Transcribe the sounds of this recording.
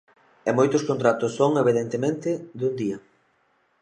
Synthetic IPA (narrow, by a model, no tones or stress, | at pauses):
emojt̪ʊskont̪ɾat̪ʊsːoŋeβ̞iðent̪emẽnt̪ɪðund̪iɐ